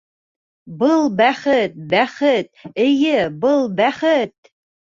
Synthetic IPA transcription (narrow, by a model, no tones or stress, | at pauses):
bəlˠbæχət̪̚bæχɘt̪̚ejɘbəlˠbæχət̪̚